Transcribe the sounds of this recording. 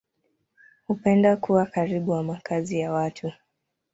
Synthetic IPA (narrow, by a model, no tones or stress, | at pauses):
hupɛndakuwakaɾiɓuwamakʰazijawatʰu